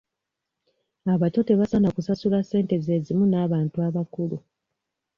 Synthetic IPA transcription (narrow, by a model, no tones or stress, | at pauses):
aβato̞teβasanakusasulase̞ːnte̞ze̞ːzimunaːβaːntuaβakulu